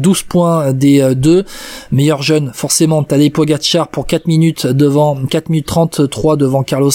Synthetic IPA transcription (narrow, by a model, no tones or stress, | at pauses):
d̪uzpwɛ̃d̪ed̪ømɛjœʁʒœnfɔʁsemɑ̃t̪ad̪epoɡʲat̪ʃaʁpuʁkat̪minyt̪d̪əvɑ̃kat̪minyt̪ːχɑ̃t̪t̪χwad̪əvɑ̃kaʁlɔs